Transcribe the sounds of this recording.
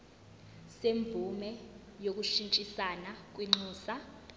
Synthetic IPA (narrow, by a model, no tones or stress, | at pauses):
semvʱumɛ | jok̬ʼuʃint͡ʃʼisanak̬ʼwiŋ͡ǁuːsa